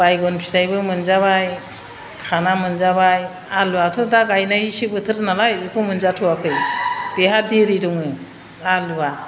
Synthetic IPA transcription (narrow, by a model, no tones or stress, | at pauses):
bajɡɔnpʰi̥sajbɯmɯnzaβaj | kʰanamɯnzaβaj | aluwatʰɔdaɡajnajisibɯtʰɯɾnalajukʰɯmɯnzatʰɯwakʰɯjb̥eɦadiɾiɾɔŋɯ | aluwa